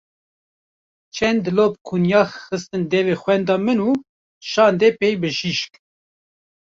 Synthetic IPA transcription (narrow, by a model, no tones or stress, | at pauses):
t͡ʃʰɛnd̪loːpkʰunjɑːxxɨst̪ɨnd̪ɛvexwɛnd̪ɑːmɨnuː | ʃɑːnd̪eːpeːjbɨʃiʃk